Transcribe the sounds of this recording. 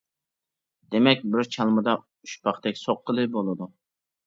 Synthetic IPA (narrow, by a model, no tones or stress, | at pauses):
d̪̥emɛkʲbɪɾt͡ʃʰɑlˠmɨd̪ɑ | uʃpʰɑχt̪ɛkʲsoqːəlˠɨbolˠɨd̪u